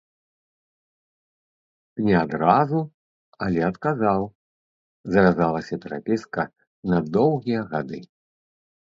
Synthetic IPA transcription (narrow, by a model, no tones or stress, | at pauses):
nʲɛad̪ɾazu | ɐlʲɛɐt̪kazaw | zɐvʲazalˠɐsʲɐpʲɛɾa̰pʲeskɐ | nɐd̪ɔwɣʲijɐɣad̪ɨ